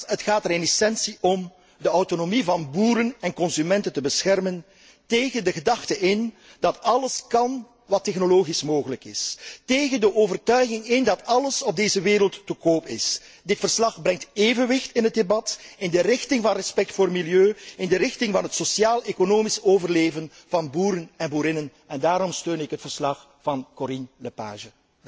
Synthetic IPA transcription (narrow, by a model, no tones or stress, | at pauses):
ətxaːtəɾenɛsɛnsiʔɔm | dəɔwtonomivɑnbuːɾənɛnkɔnzymɛntəntəbəsxɛrmən | teːɣəndəɣədɑxtəʔɪn | d̥ɑtɑləskɑn | ʋɑtːɛxnoloːɣismoːɣələkɪsteːɣəndəʔoːvərtœɥɣɪŋɪndɑtɑləsɔb̚deːzəʋɪːɾəlˠtːəkoːpɪs | dɪtfərslɑxbrɛŋteːvənʋɪxtɪnɦət̚debɑtɪndərɪxtɪŋvɑnrɛspɛk̚tfoːrmiljøːɪndəɾɪxtɪŋvɑnɦətsosjaːlˠekonoːmisoːvərleːvən | vɑnbuːɾənɛnbuːɾɪnən | ɛndaːɾɔmstøːnɪkɦətfərslɑx | vɑnkoɾinləpa̰ːʒə